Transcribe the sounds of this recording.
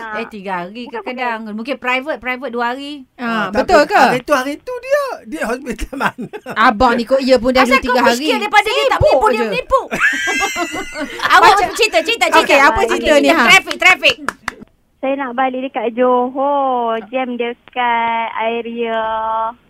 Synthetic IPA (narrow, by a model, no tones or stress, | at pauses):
dat̪iɡahaɾikəkədaŋmũŋkɪnpɾajvət̪̚pɾajvət̪̚duəɦaɾiabət̪ʊlkait̪uhaɾit̪udiədiəɦɔspit̪almanabaʔnikoʔiəp̬ʊndadut̪iɡaɦaɾiidajpadadiət̪aʔppudd͡ʒəipuʔ | aəspət͡ʃit̪ət͡ʃit̪əoikeapət͡ʃit̪əniaɾɛfik̚t̪ɾɛfik̚ | sajanaʔbaliʔdəkaʔd͡ʒoɦod͡ʒɛmdəkanaiɾiə